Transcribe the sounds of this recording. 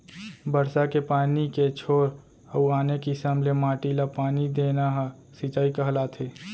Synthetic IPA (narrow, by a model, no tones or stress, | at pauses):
bəɾsakepaːniket͡ʃʰoːɾ | əuaːnekisəmlemaːʈilapaːnid̪eːnaɦ | sit͡ʃaːikəɦlat̪ʰeː